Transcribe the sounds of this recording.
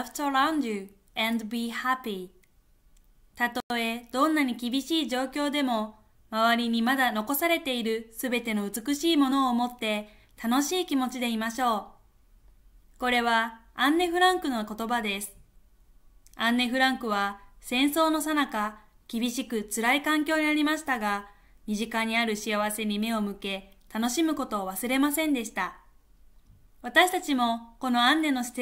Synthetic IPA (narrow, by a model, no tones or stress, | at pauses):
ɸɯ̟̥t̪oɾãndɨ | ɛ̃nd̪bihapi | t̪at̪oo̞e̞d̪̥õ̞nːaɲ̟ikʲibʲiɕiːʑo̞ːkʲo̞ːd̪e̞mo̞ | maβaɾʲiɲ̟imad̪ano̞ko̞saɾe̞t̪e̞iɾɯ̟sɨbe̞t̪e̞no̞ɯ̟t͡sɨkɯ̟ɕiːmo̞no̞ːmo̞t̪ːe̞ | t̪ano̞ɕiːkʲimo̞t͡ɕid̪e̞imaɕo̞ː | ko̞ɾe̞β̞a | ãnːe̞ɸɯ̟ɾãŋkɯ̟noko̞t̪o̞bad̪e̞sɨ̥ | ãnːe̞ɸɯ̟ɾãŋkɯ̟β̞asẽ̞ɰ̃so̞ːno̞sanaka | kʲibʲiɕikɯ̟t͡sɨɾaikãŋkʲo̞ːɲ̟inaɾʲimaɕi̥t̪aɡa | mʲiʑikaɲ̟iaɾɯ̟ɕiaβ̞ase̞ɲ̟ime̞o̞mɯ̟ke̞t̪ano̞ɕimɯ̟ko̞t̪o̞ːβasɨɾe̞masẽ̞nd̪e̞ɕi̥t̪a | β̞at̪aɕi̥t̪at͡ɕimo̞ko̞no̞ãnːe̞no̞st̪